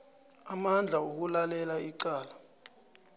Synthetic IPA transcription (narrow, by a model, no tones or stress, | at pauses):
amand͡ɮʱauk̬ulalɛlaiǃaːla